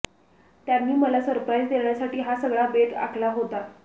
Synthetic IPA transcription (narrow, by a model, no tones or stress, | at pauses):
t̪jamːiːməlasəɾpɾajd͡zd̪elɳjasaʈiːɦasəɡɭabed̪a̰kʰlaɦot̪a